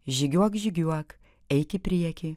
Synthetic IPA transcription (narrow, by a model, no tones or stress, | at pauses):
ʒʲɪɡʲuɔkʒʲɪɡʲuɔk | ɛɪkʲɪpʲɾʲiɛkʲi